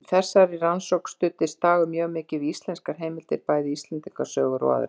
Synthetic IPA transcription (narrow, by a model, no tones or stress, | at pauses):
θɛsːaɾiransowkst̪ʏt̪ɪst̪aːɣʏmjœːɣmɪːcɪvist̪lɛnskaɾ̥ɦejmɪlt̪ɪɾpaːjðɪist̪lɛnt̪iŋkasœːɣʏɾa̰ðʏ̰ɾ